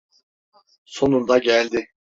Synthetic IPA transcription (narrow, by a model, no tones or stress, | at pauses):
so̞nund̪ɑɟælʲd̪ɪ